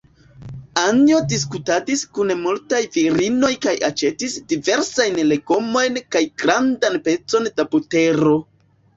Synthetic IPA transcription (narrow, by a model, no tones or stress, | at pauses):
anio̞dis̬kutadiskunemultajviɾino̞jkajat͡ʃe̞tisdive̞ɾsajnle̞ɡo̞mo̞jnkajɡɾandanpe̞t͡so̞nd̥abute̞ɾo̞